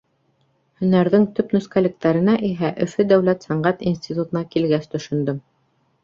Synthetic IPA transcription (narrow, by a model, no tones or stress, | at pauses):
hɵ̆næɾðɘŋt̪ɵpnɵ̆skalɘ̆k̚t̪æɾɘ̆næʔiɦæʔɵ̆fɘd̪æwlæt̪sæɴɢæt̪insʲt̪ʲit̪ut̪ɤ̆nɑkilɡæst̪ɵ̆ʃɵ̆nd̪ɵm